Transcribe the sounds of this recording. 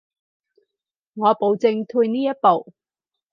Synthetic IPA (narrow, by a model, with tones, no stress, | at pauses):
ŋɔː˨˧po˨˧wt͡sɪ˧ŋt̪ʰuː˧jniː˥jɐ˥t̚po˨w